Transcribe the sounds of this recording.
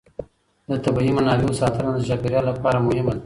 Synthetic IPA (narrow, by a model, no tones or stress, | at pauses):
d̪ət̪abaimanɑliosɑt̪aɾand̪ət͡ʃɑbeɾjɑlːapɑɾamʊhɪmad̪